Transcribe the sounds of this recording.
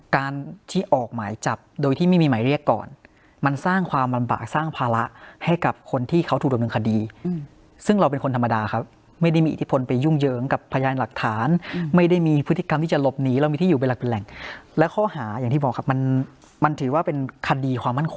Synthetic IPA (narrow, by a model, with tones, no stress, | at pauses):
kaː˧nt̪ʰiː˥˩ʔɔː˨˩k̚maː˩˦jt͡ɕa˨˩p̚doː˧jt̪ʰiː˥˩ma˥˩jmiː˧ma˩˦jɾi˥˩əkːɔ̰ː˨˩n | ma˧nsaː˥˩ŋkʰwaː˧mla˧mba̰ː˨˩k̚saː˥˩ŋpʰaː˧la˦˥ʔha˥˩jka˨˩p̚kʰo˧nt̪ʰiː˥˩kʰa˦˥wt̪ʰu˨˩k̚d̪mnɯː˧kʰa˧diː˧ | sɯ˥˩ŋɾa˧wpe˧nkʰo˧nt̪ʰa˧mːa˧daː˧kʰa˦˥p̚ | ma˥˩jda˥˩jmiː˧ʔi˨˩t̪ʰi˦˥pʰo˧npa˧ju˥˩ŋjɤː˨˦ŋka˨˩pʰːa˧jaː˧nla˨˩k̚t̪ʰaː˩˦nma˥˩jda˥˩jmiː˧pʰt̪ːʰi˨˧ka˧mt̪ʰiː˥˩t͡ɕa˨˩lo˦˥p̚niː˦˥ɾa˧wmiː˧t̪ʰiː˥˨uː˨˩pnla˨˩k̚pe˧nlɛ˨˩ŋlɛː˦˥wkʰɔː˥˩haː˩˦jaː˨˩ŋʰiː˥˩bɔː˨˩kʰa˦˥p̚ma˧n | ma˧nt̪ʰɯː˩˦waː˥˩pe˧nkʰa˧diː˧kʰwaː˧mːa˥˩nkʰo˧ŋ